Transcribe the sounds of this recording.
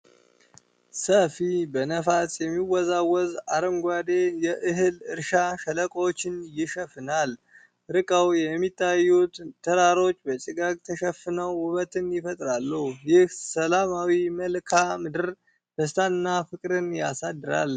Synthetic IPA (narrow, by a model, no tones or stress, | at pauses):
səfibənəfasjɛmːiwɔzawːɔzaɾəmɡʷad̪ejɛʔɨɦɨlɨɾʃaʃələkʼwot͡ʃːɪnjɪʃəfɨnal | ɾɨkʼəwjɛmːit̪ʰːajːut̪t̪ʰːəɾaɾo̞t͡ʃːbət͡ʃʼɨɡak̚ʼt̪ʰəʃəfɨnəwʊβət̪ʰɨnjɪfət̪ʼɾalːəhujɪhsəlamawiməlkʰamɨd̪ɨɾ | b̥əs̬t̪ʰanɨnːafɨkʼɾɨnjasad̪ːɨɾa̰l